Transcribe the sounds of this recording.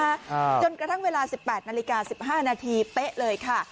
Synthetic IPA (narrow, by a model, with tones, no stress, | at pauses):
t͡ɕo˧nkɾa˧t̪ʰa˥˩ŋweː˧laː˧si˨˩pːɛː˨˩t̪̚naː˧li˦˥kaː˧si˨˩p̚ɦaː˥˩naː˧t̪ʰiː˧pe˦˥ʔlɤː˧jkʰa˥˩